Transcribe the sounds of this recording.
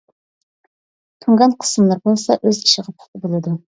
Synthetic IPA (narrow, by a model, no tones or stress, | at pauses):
t̪ʰuŋɡɑnqʰə̥sɨmlˠɑɾbolˠsɑʔøzkʰʲi̥ʃiʁɑpʰɑ̥t̪ʰɨbolˠɨd̪u